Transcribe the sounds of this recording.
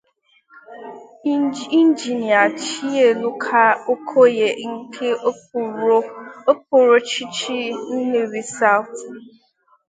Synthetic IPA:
i˦n˦d͡ʒi˨ni˨a˨t͡ʃi˦e˨lu˦kʰa˦o˦kʰo˦je˨ŋ̩˦kʰe˦˨˦ | o˦p̚o˨ɾo˦t͡ʃi˦t͡ʃi˦n̩˦ne˨ɾi˦sa˦ʊ˨t

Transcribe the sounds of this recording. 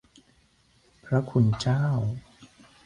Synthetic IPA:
pʰɾa˦˥kʰu˧nt͡ɕaː˥˩w

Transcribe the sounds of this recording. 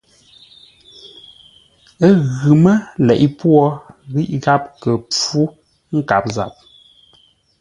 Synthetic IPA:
ə˦ɣʉ˨mə˦lɛ˨ʔi˦pwɔ˦ɣi˦ʔɣa˦p̚kə˨p͡fu˦ | ŋ̩˦ka˨p̚za̰˨p̚

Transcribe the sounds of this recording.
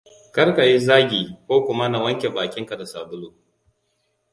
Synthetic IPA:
kɐ˦rka˨ji˦zaː˦ɡʲiː˨kʷoː˦kʷʊ˦ma˦na˨wɐ˦ŋkʲe˨baː˨kʲɪ˦ŋka˨da˨saː˨bʊ˦luː˦˨

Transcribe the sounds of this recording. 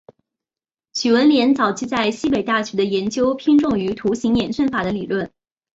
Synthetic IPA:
ɕy˨˩wə˧˥nljɛ˧˥nt͡sɑ˨˩ʊt͡ɕʰi˧˥t͡sa˥˩ɪɕi˥pe˨˩ɪt̪a˥˩ɕy˧˥d̪ə˧jɛ˧˥nt͡ɕjo˥ʊpʰi˥ŋʈ͡ʂʊ˥˩ŋy˧˥t̪ʰu˧˥ɕi˧˥ŋjɛ˧˥nsə˥˩nfa˨˩d̪ə˦li˨˩lwə˥˩n

